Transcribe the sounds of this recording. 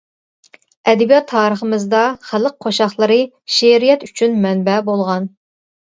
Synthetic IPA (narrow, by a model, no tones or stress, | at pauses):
ɛd̪ɛbijɑt̪ʰːɑːɾəχəmɨzd̪ɑχæləq̚qʰːoʃɑχlˠəɾɨ | ʃeɾijɛt̪yt͡ʃʰynmɛnbɛbolˠʁɑn